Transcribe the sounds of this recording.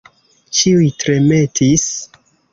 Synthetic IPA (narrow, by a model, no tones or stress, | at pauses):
t͡ʃiujtɾe̞me̞tis